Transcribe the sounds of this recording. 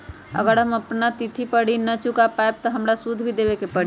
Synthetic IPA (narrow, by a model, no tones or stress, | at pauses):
ə̰ɡəɾɦəməpnat̪it̪ʰipəɽinət͡ʃukapaeb̚t̪ɔɦəmɾasud̪ʱbʱid̪ebekepəɽi